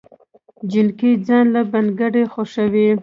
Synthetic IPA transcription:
d͡ʒɪnkid͡zɑnlabanɡaɖexoʃəwi

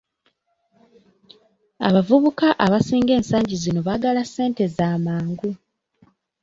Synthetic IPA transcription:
a̰βavuβukaʔaβasiːŋɡe̞ːnsaːɲɟizino̞βaɡalasːe̞ːnte̞zaːmaːŋɡu

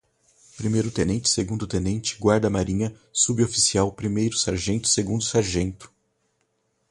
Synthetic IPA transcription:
pɾimejɾʊt̪ẽnẽnt͡ʃɪ̥seɡũnd̪ʊt̪ẽnẽnt͡ʃɪ̥ɡwaɾd̪ɐmaɾĩɲɐ | subiofisiawpɾimejɾʊsaɾʒẽnt̪ʊ̥seɡũnd̪ʊsaɾʒẽnt̪ʊ̥

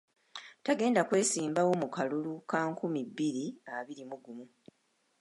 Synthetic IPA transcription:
taɡe̞ːndakwe̞ːsiːmbawo̞mukalulukaːŋkumibːiɾiaβiɾimuɡumu

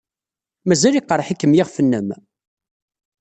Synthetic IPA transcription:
mæzæliqɾˤħikːəmjɪʁfənːəm

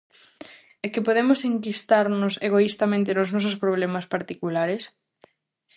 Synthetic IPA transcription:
ɛkɪpoðemoseŋkist̪aɾnʊseɣoist̪amẽnt̪enʊznɔs̬ospɾoβ̞lemaspaɾt̪ikulaɾes

